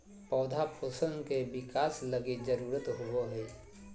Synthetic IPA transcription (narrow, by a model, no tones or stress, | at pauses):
pɔːd̪ʱapʰoːsənkebɪkaːsləɡid͡ʒəɾuːɾət̪ɦʊoɦɛː